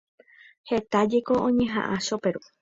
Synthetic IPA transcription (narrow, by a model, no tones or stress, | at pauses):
he̞t̪ad͡ʒe̞ko̞ʔõɲẽ̞ɦã̰ʔãʃope̞ɾu